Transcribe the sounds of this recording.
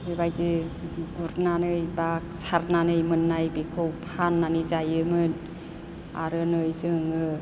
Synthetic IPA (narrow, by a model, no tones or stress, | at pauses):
bibajzɯɡuɾnanɯjba | saɾnanɯjmɯnːajbikʰowpʰanːanizajɯmɯn | a̰ɾɯnɯjsɯŋɯ